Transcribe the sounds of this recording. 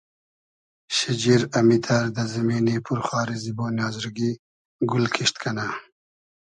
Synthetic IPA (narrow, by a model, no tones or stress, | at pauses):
ɕid͡ʑiɾɐmit̪ʰaɾd̪ɐzɐmiːnipʰuɾxwaːɾiziboːnjaːzɾɡi | ɡulkʰiʂt̪kʰɐna